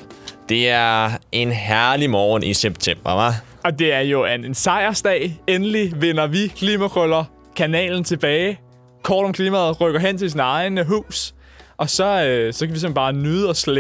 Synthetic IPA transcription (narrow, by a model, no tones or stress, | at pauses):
d̥e̝æɐɐe̝nɦæɐlimɒːnʔiseb̥̚t͡sʰem̰b̥ɐʋæ | ʔɒ̽d̥e̝æɐjo̝ænensɑ̈ɪ̰ɐsd̥ɛ̰ːenəliʋe̝nɐʋikʰliːmæfʰʁɔlɐ | kʰænɛ̰ːln̩t͡sʰe̝b̥ɛːɪ | kʰɒːɾ̥ɒ̽mkʰliːmæð̞̩ˠʁœɡ̥ɐɦen̰t͡sʰe̝ls̬iːnɑ̈ɪnəɦṵːs | ʔɒ̽sɒ̽øsɒ̽kʰæʋis̬ɒ̽b̥ɑ̈ːnyːð̞̩ˠɒ̽sle